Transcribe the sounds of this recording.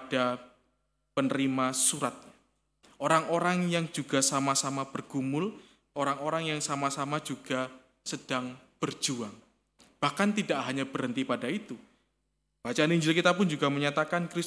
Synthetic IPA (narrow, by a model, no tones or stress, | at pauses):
ad̥a | pənəɾimasuɾat̪̚ | ʔoɾaŋoɾaŋjaŋd͡ʒuɡasamasamab̥ərɡ̥umʊl | ʔoɾaŋoɾaŋjaŋsamasamad͡ʒuɡ̥a | səd̥aŋb̥ərd͡ʒuaŋ | b̥ahkant̪idaʔɦaɲabərɦənt̪ipadait̪u | b̥at͡ʃaːniɲd͡ʒɪlkit̪apʊnd͡ʒuɡaməɲat̪akankɾis